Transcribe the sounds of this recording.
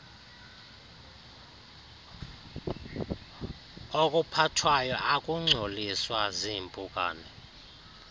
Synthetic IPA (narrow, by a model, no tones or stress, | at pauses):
okʼupʰatʰwajɔʔakʼuŋ͡ǀʱoliswazimpʼukʼa̰ːnɛ